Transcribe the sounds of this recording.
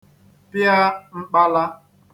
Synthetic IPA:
pɪ˦a˦ŋ͡m̩˦k͡pa˦la˦

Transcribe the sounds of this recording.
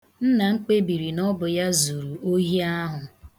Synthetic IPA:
n̩˦na˨ŋ͡m̩˦k͡pe˦bi˨ɾi˨nɔ˦bʊ˨ja˦zu˨ɾu˨o˦ɦi˦a˦ɦʊ˨

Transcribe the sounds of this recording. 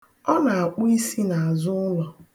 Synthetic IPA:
ɔ˦na˨a˨k͡pʊ˦i˦si˦na˨a˨zʊ˦lɔ˨

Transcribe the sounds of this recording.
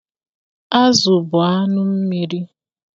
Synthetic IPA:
a˦zʊ˨bʊ˨a˦nʊ˦m̩˦mi˦ɾi˦

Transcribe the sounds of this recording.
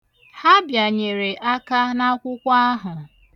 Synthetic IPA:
ha˦bja˨ɲe˨ɾe˨ʔa˦ka˦na˦kʷʊ˦kʷa˦a˦ɦʊ˨

